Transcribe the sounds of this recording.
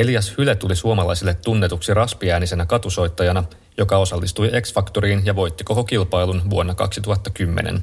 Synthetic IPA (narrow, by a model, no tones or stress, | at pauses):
elijɑshylet̪ulisuomɑlɑ̰jsilːe̞t̪ːunːe̞t̪uksirɑspiæːnise̞nækɑt̪uso̞jt̪ːɑjɑnɑ | jo̞kɑo̞sɑlːist̪uje̞ksfɑkt̪oɾiːnjɑʋo̞jt̪ːiko̞ko̞kilpɑjlunʋuo̞nːɑkɑ̰ksit̪uɦɑt̪ːɑkymːḛnḛn